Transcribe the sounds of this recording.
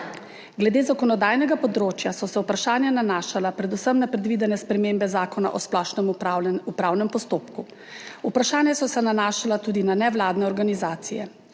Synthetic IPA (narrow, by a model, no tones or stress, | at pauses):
ɡlɛd̪eːzakɔnɔd̪aːjnɛɡapɔd̪ɾoːt͡ʃjasɔsɛupɾaʃaːnjananaːʃalapɾɛd̪usəmnapɾɛd̪ʋid̪ɛnɛspɾɛmeːmbɛzaːkɔna̰ʔɔsplɔʃnɛmupɾaːwnɛmpɔst̪oːpku | upɾaʃaːnjasɔsɛnanaːʃalat̪uːd̪inanɛʋlaːd̪nɛɔɾɡanizaːt̪sijɛ̰